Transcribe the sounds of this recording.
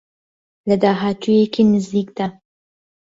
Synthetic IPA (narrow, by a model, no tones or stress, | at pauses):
ləd̪aːɦaːt̪ʰujekʰinɪzd̪ikd̪̥a